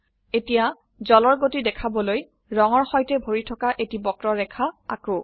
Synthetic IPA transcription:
etija | zɔlɔɹɡotidɛkʰabɔloj | ɹɔŋɔɹxɔjtɛbʱoɹitʰɔkaʔetibɔkɹɔɹɛkʰaa̰ko

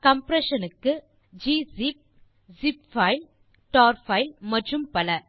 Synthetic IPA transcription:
kɐmpɾɛʂɐnɯkːɯ | d͡ʒiːsip̚ | sɪp̚fɐɪl | ʈaːɾfɐɪlmɐʈːrɯmpɐlɐ

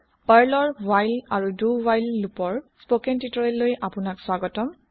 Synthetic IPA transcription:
baɹlɔɹwajlaɹuduwajlːupɔɹspokɛntitɔɹɛlːojʔapʊnakswaɡɔtɔm

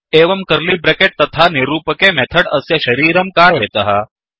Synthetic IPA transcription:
eːʋɐmkɐɾlibɾekeʈ̚t̪ɐt̪ʰanɪɾuːpəkemɛt̪ʰəɽɐsjɐʃɐɾiːɾɐmkaːɾʋeːt̪ɐɦa

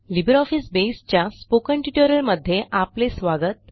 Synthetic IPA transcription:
libəɾɔfisbest͡ɕjaspokəɳʈiʈəɾəlməd̪ʱːjeʔaplesʋaɡət̪̚

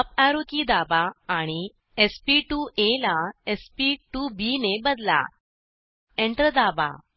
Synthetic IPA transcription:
əpaɾokid̪abaːɽ̃i | espiʈuʔelaespiʈubinebəd̪la̰ | eɳʈɾəd̪aba̰

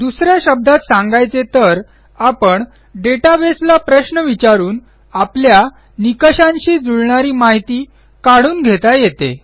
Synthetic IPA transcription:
d̪usɾjaɕəb̚d̪ʱat̪sãŋɡajt͡set̪əɾ | apəɳ | ɖeʈabeslapɾəɕnəʋit͡ɕaɾuːn | aplja | nikəɕãnɕiːd͡zuɭɳaɾiːmaɦit̪iː | kaɽuːnɡʱet̪ajjet̪ḛ

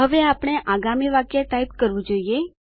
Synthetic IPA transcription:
ɦəʋeapɽ̃eʔaɡamiʋakjat̪aib̚kəɾʋũd͡ʒoie

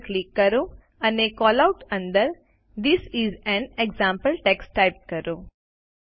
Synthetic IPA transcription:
klikːəɾo | ənekɔːlaʊʈə̃nd̪əɾ | d̪ɪsizɛ̃neɡzãmpəlʈeksʈːaɪp̚kəɾo

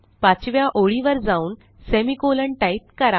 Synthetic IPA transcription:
pat͡ɕʋjaʔoɭiʋəɾd͡zauːn | semikoləɳʈait̪̚kəɾa

